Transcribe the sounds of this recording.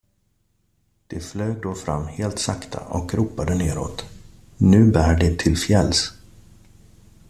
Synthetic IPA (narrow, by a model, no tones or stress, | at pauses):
d̪̥ɛflœːd̪oːfɾa̰mːheːlt̪sakt̪ʰa̰ʔɔ̰kɾuːpad̪əneːɾo̰ːt̪ | nʉ̟ːbæːɖɛt̪ʰɪlfjɛlːs